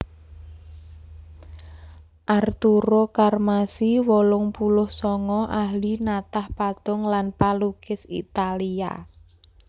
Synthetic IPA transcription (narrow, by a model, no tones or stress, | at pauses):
ʔart̪uɾokarmasiwolʊŋpulʊhsɔŋɔʔahlinat̪ahpat̪ʊŋlanpalukɪsḭt̪alia̰